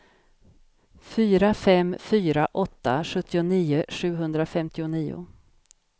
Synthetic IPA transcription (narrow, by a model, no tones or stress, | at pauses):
fyːɾafɛmfyːɾaʔɔt̪ːa̰ɧɵt̪ʰːɪʊniːʊɧʉ̟ːɦɵnd̪ɾafɛmt̪ɪʊniːʊ̰